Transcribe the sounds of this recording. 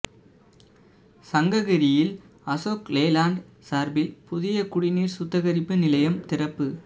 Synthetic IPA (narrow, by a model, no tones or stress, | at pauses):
sɐŋɡɐɣɐɾɪjɪl | ɐsoːkleːlaːɳɖ | saːɾbɪlpʊðɪjɐkʊɽɪniːɾsʊt̪ːɐɣɐɾɪpːɯnɪlɐjɐmt̪ɪrɐpːɯ